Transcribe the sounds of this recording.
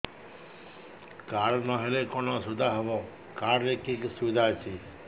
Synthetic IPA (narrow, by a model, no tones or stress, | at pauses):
kaɾnɔɦelekɔnɔsud̪ʱaɦɔbɔ | kaɾːekiksud̪ʱat͡ʃʰi